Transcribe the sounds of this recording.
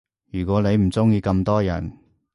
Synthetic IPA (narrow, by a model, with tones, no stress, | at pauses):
jyː˨˩kʷɔː˨˥ne˨˧jm̩˨˩t͡sʊ˥ŋjiː˧kɐ˧mt̪ɔː˥jɐ̰˨˩n